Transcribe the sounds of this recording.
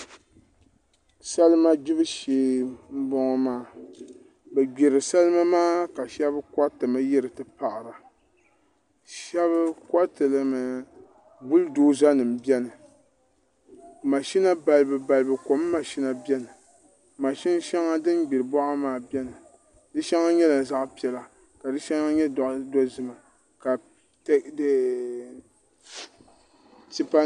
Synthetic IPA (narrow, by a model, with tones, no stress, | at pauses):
sa˦lɨ˦ma˦d͡ʒi˦bɨ˦ʃeː˨m̩˦bɔ˨ŋɔ˨maː˦˨ | bɛ˨ɡ͡be˨ɾɨ˨sa˦lɨ˦ma˦maː˦ka˨ʃɛ˦bɨ˦ka˦tɨ˨ma˦jɛ˦ɾɨ˨tɨ˨pa˨ʔa˨ɾa˨ | ʃɛ˦βɨ˦kʷa˦tɨ˨lɨ˨˦mɨ˨ | bu˦ldoː˦za˦nɨ˨m˨bɛ˦nɨ˨ | ma˨ʃi˦na˦ba˨lɨ˨bɨ˨ba˨lɨ˨bɨ˨ko˨˦mː˦a˨ʃi˦na˨bɛ˦nɨ˨ | ma˨ʃi˦n˦ʃɛ˦ŋa˦dɨ˦nɡ͡bi˨ɾɨ˨bɔ˦ʔa˦maː˨bɛ˦nɨ˨ | dɨ˦ʃɛ˦ŋa˦ɲɛ˦la˨za˦ʔpi˨ɛ˨la˨ | ka˨dɨ˦ʃɛ˦ŋa˦ɲɛ˦dɔ˨ʔdɔ˦zɨ˦ma˨ | ka˨ | td | ti˦pa˦